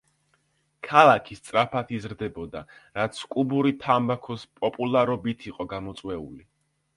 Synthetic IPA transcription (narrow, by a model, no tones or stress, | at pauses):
kʰalakʰist̪sʼɾapʰat̪ʰizɾd̪ɛbɔd̪aɾat̪sʰkʼubuɾit̪ʰambakʰɔspʼɔpʼulˠaɾɔbit̪ʰiqʼɔɡamɔt̪sʼwɛṵli